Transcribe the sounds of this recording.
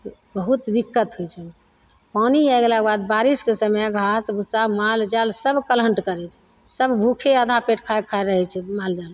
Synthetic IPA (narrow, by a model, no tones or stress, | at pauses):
bəɦut̪d̪ikːət̪ɦojt͡ʃʰɛ | paniɛɡlakebad̪̚baɾiskesəmɛjaɡʱasbʱusamald͡ʒalsəbkələɳʈkəɾɛt͡ʃʰɛ̥ | səbbʱukʰeəd̪ʱapeʈkʰakʰaeɾəɦɛt͡ʃʰɛmald͡ʒal